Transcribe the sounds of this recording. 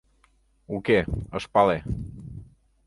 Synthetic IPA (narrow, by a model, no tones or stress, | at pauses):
ukeəspale